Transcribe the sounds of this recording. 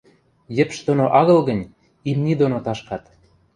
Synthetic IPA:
jɘ̆pʃd̪onoʔɑɣɤ̆lɣə̆nʲ | imnʲid̪onot̪ɑʃkɑt̪

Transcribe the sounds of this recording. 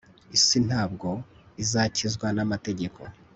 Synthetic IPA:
isin̥haːb̚ɡo̞ | izaːcizɡwanamate̞ɟe̞kʰo̰

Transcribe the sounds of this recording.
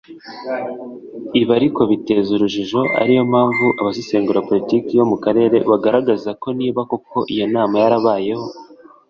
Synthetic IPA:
iβaɾiko̞βite̞ːzuɾuʒiʒo̞ʔa̰ɾijo̞maːɱvuʔaβasiseːŋɡuɾapo̞litiːkijo̞mukaɾe̞ːɾe̞βaɡaɾaɡazako̞niːβakoko̞ʔijo̞naːmajaɾaβaːje̞ho̞

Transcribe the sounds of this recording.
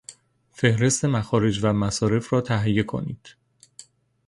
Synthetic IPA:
fe̞hɾe̞st̪e̞mæxɒːɾe̞d͡ʒvæmæsɒːɾe̞fɾɒːt̪ʰæɦijːe̞kʰo̞̰nḭːd̪̥

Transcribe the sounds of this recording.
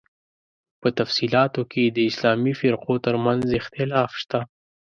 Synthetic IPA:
pət̪afsilɑt̪okʰed̪əɪslɑmifɪɾqot̪əɾmanzɪxt̪ɪlɑːfʃt̪a

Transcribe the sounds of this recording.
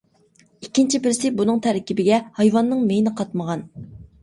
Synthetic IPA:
ikʲːint͡ʃʰibɪɾsɪbunɨŋt̪ʰæɾɛkʲːibɪɡʲɛhɑjvɑnːɨŋmejnɪqʰɑt̪məʁɑn

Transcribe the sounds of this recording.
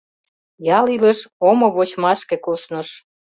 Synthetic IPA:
jɑliləʃomoβot͡ɕmɑʃkekosnəʃ

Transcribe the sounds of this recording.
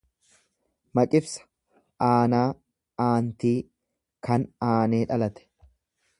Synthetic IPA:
mɐkʼɪfsɐ̥ | ʔaːnaː | aːnt̪iː | kɐnaːne̞ːᶑɐlɐt̪ɛ̥

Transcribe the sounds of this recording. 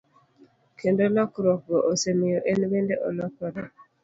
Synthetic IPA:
kʰendolɔkɾɔk̚ɡɔʔosemijoʔenwendeʔɔ̰lɔkɔɾa

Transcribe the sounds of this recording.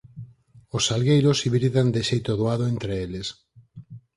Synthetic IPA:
osalɣejɾosiβɾiðand̪eʃejt̪oðoaðoent̪ɾeeles

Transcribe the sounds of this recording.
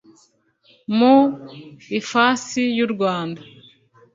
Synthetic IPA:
mu | ifasijuɾɡwaːnda

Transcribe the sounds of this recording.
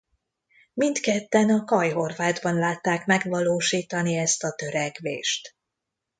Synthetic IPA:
mint̪kɛt̪ːɛnɒkɒjɦo̞rvaːd̪bɒnlaːt̪ːaːkmɛɡvɒloːʃiːt̪ɒniɛst̪ɒt̪ø̞ɾɛɡvḛːʃt̪

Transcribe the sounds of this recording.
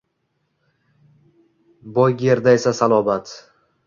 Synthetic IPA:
bɒjɡʲe̞ɾd̪ae̞sasalˠɒbat̪

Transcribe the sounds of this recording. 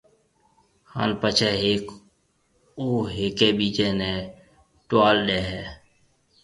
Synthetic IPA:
ha̰ːnpət͡ʃʰɛːɦeːk | oːɦeːkeːɓiːt͡ʃẽːnɛ̃ː | ʈaːlɗeːɦɛː

